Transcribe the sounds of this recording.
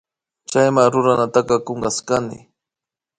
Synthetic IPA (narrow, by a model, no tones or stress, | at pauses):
t͡ʃajmaŋɾʊɾanat̪ɑkɑkoŋɢɑskanɪ̰